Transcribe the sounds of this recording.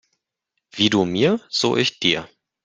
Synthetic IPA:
v̥iːduːmiːɐz̥o̰ːʔɪçd̥iːɐ

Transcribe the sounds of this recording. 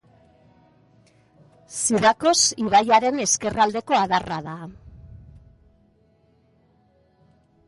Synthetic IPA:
siðako̞siβajaɾe̞ne̞ske̞rʔald̪e̞ko̞aðaraða

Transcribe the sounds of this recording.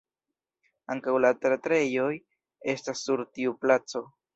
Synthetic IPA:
aŋkawlat̪ɾat̪ɾejoj | e̞stasːuɾt̪iuplat͡so̞

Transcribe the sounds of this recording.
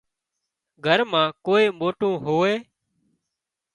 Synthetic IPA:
ɡʱəɾmãːkoːeːmoːʈũːɦoːeː

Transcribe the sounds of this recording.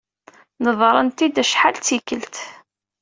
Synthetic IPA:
nəðˤɾˤənt̪id̪æʃħalt͡sːikəlt̪

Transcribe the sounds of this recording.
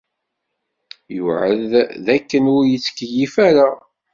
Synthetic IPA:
juʕəððækːənʊɾjət͡sːkjifæɾa

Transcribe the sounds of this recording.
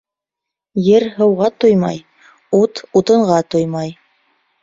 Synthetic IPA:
jɘɾɦɤ̆wʁɑt̪ojmɑj | ut̪ut̪ɤ̆ɴʁɑt̪ojmɑj

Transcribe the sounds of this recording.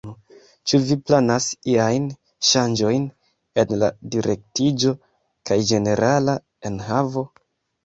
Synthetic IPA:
t͡ʃuviplanasiajn | ʃand͡ʒo̞jn | e̞nla̰diɾʔe̞k̚tid͡ʒo̞ | kajd͡ʒe̞ne̞ɾʔala | e̞nɦavo̞

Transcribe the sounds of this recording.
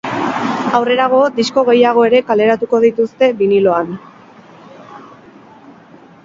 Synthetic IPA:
awre̞ɾaɣ̞o̞d̪isko̞ɣ̞e̞jaɣ̞o̞e̞ɾe̞kale̞ɾat̪uko̞ðit̪ust̪e̞βinilo̞an

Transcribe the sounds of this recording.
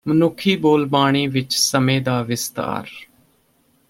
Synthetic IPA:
mənʊkʰiːboːlbaːɳ̃iːʋɪt͡ʃsəmẽːd̪aːʋɪst̪a̰ːɾ

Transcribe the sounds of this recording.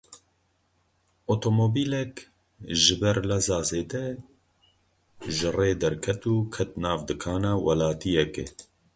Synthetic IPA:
ot̪ʰomoːbiːlɛk | ʒɪbɛɾlɛzɑːzeːd̪ɛ | ʒɨreːd̪ɛɾkʰɛt̪uːkʰɛt̪̚naːvd̪ɨkʰɑːnaːwɐlaːt̪ijɛkɛ̰

